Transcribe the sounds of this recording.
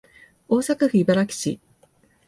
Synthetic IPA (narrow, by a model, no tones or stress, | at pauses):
o̞ːsakaɸɯ̟ibaɾakʲi̥ɕḭ